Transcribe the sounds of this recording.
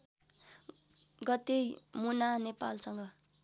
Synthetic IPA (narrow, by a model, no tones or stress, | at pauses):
ɡʌt̪emunanepa̰lsʌŋɡʌ